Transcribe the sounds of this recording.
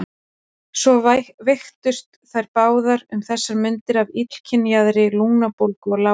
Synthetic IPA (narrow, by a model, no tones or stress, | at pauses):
sɔvvext̪ʏst̪θajɾpaːwðaɾʏmθɛsːaɾmʏnt̪ɪɾavit̪l̥cʰɪnjaðɾɪluŋnapowlkɔɣla